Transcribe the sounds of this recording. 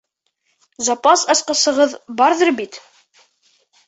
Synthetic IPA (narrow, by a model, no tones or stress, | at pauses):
zɑpɑsɑsqɑsɤ̆ʁɤðbɑɾðɤɾbit̪